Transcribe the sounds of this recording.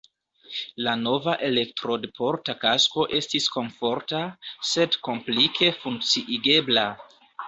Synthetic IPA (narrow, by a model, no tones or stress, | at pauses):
lano̞vaʔe̞le̞k̚tɾo̞dpʰo̞ɾtakasko̞ʔe̞stisko̞ɱfo̞ɾtase̞dko̞mplikʰe̞fuŋk̚t͡siʔiɡe̞bla